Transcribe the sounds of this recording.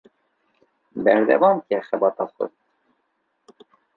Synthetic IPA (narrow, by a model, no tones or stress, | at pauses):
bɛɾd̪ɛ̰vɑnkɛxɛbɑːt̪ɑxə̰t̪